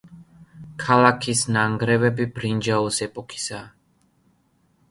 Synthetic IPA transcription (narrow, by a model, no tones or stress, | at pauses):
kʰalakʰisnaŋɡɾɛvɛbibɾind͡ʒaɔsɛpʼɔkʰi̥saː